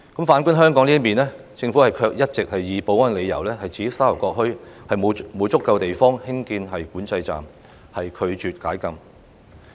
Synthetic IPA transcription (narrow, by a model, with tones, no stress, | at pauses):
kɐ˨˥mfaː˨˥nkʊ˥nɦœː˥ŋkɔː˨˥ŋli˥miː˨nlɛː˥ | t͡sɪ˧ŋfu˨˥hɐ˨jkʰœː˧k̚jɐ˥t̚t͡sɪ˨k̚hɐ˨jjiː˨˧po˨˥wɐ˥nle˨˧jːɐ̰˨˩wlɛː˥hɐ˨jt͡siː˨˥saː˥lɐ˨˩wkɔː˧k̚hɵ˥ɥhɐ˨jmo˨˧wmo˨˧wt͡sʊ˥kːɐ˧wt̪e˨jfɔː˥ŋhɪ˥ŋkiː˧nɦɐ˨jkuː˨˥nt͡sɐ˧jt͡sa̰ː˨˩m | hɐ˨jkʰɵ˨˧ɥt͡ʃyː˨t̚kaː˨˥jkɐ˧m